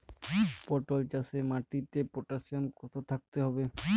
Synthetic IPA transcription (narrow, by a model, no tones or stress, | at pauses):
pɔɾʈolt͡ɕasemaʈit̪epɾoʈasiankɔt̪ʰot̪ʰak̚t̪eɦɔbe